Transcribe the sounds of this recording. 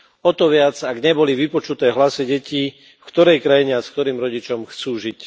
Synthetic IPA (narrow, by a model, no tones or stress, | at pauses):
ɔt̪ɔʋɪad͡zaɡɲɛbɔliʋipɔt͡ʃut̪ɛːɦlasiɟɛciː | fkt̪ɔɾɛjkɾajiɲɛaskt̪ɔɾiːmɾɔɟit͡ʃɔmxt͡suːʒic